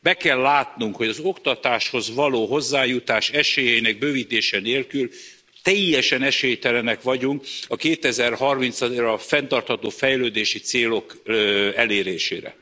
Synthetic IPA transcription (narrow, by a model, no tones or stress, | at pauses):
bɛkɛlːaːt̪nuŋkho̞ɟɒzo̞kt̪ɒt̪aːʃho̞zʋɒloːɦo̞zːaːjut̪aːʃɛʃeːjɛjinɛɡ̚bøːvit̪eːʃɛneːlkyl | t̪ɛjːɛʃɛnɛʃeːjt̪ɛlɛnɛkʋɒɟuŋkɒkeːt̪ɛzɛrhɒrmint̪sɒrɒfɛnt̪ɒrt̪hɒt̪oːfɛjløːd̪eːʃit̪seːlo̞kɛleːɾeːʃḛːɾɛ̰